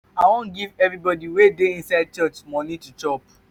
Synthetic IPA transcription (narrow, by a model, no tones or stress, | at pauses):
awõnɡivɛvɹibɔdiwedeĩnsaɪd̚t͡ʃɔt͡ʃmɔnitut͡ʃɔp